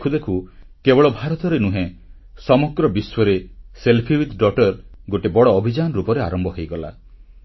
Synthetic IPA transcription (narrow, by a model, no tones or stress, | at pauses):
kʰud̪ekʰu | kebɔɭɔbʱaɾɔt̪ɔɾenũɦẽ | sɔmɔɡɾɔbiswɔɾeselpʰiwit̪ɖɔʈɔɾɡoʈebɔɽɔːbʱid͡ʒanɔɾupɔɾeaɾɔmbɔɦejɡɔla̰